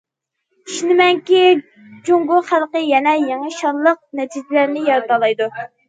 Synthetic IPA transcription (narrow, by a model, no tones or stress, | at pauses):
iʃnɪmɛŋkʲi | d͡ʒuŋɡʊχælˠqəjɛnɛjeŋɨʃɑnlˠəq̚nɛt͡ʃʰizlæɾnɪjɑɾt̪ɑlˠɑjd̪u